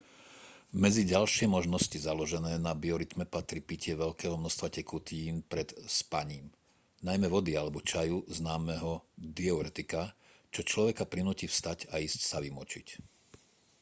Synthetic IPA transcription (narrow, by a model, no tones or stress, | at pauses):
mɛd͡ziɟalʃɪɛmɔʒnɔscizalɔʒɛnɛːnabiɔɾit̪mɛpat̪ɾipicɪɛʋɛʎkɛːɦɔmnɔst̪ʋacɛkut̪iːnpɾɛt̪spaɲiːm | najmɛʋɔd̪ialɛbɔt͡ʃajuznaːmɛɦɔd̪iɔɾɛt̪ikat͡ʃɔt͡ʃlɔʋɛkapɾinuːciːfst̪acaiːscsaʋimɔt͡ʃic